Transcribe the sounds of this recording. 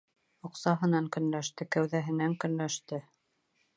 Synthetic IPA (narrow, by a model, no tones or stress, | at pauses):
ŏqsɑɦɤ̆nɑŋkɵ̆nlæʃt̪ɘkæwðæɦɘ̆næŋkɵ̆nlæʃt̪ɘ